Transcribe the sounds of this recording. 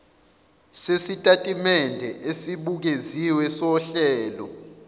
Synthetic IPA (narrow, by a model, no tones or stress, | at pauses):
sesitʼatʼimɛndʱɛʔesiɓuk̬eziwɛsɔɬɛːlɔ̰